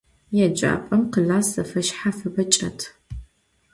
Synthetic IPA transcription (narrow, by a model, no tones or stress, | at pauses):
jɛd͡ʒʼa̰ːpʼɐmqəɮaːsɐfɐʃħafɐbɐt͡ʃʼɐ̰tʰ